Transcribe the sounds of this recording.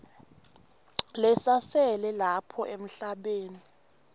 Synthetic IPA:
lɛsasɛlɛlapʰɔʔem̩ɬaɓeːni

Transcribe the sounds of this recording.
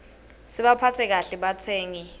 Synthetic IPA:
siɓapʰatʰɛk̬aɬɛɓatʰeːŋi

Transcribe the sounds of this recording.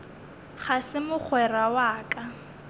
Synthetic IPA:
χasɪmʊχʰwɛrawaːkʼa

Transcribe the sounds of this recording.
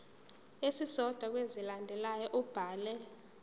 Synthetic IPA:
esisɔd̥ʱwak̬wezilandʱɛlajɔʔub̥ʱaːlɛ

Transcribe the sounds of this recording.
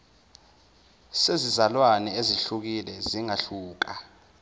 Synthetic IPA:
sezizalwanɛeziɬuk̬ilɛziŋaɬuːk̬a

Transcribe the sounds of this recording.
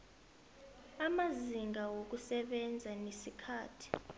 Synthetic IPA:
amaziŋɡawok̬usɛɓɛnd͡zʱanesikʰaːtʰi̥

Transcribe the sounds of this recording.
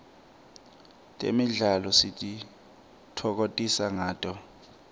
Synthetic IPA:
tʼḛmiɮalɔsitʼi | tʰɔk̬otʼisaŋaːtʼɔ

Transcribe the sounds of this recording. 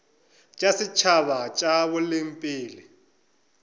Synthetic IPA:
t͡ʃʼasɪt͡ʃʰaβat͡ʃʼaβɔlɪmpʼiːli

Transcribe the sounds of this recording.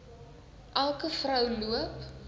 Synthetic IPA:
ʔælˠkəfrəwluəp

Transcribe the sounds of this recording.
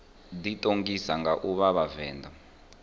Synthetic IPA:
ditʼoŋɡisaŋɡaʔuβaβavɛːndʱɔ

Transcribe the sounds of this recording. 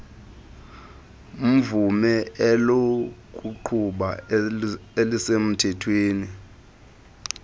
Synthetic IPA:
um̩vumɛɛlokʼuǃʰuɓa | elisem̩tʰɛtʰweːni

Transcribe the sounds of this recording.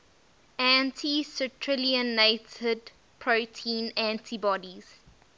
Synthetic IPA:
æ̃ntʰisətʰɹɪliə̃netəd | pʰɹotʰĩːnæ̃ntʰibɔdiz̥

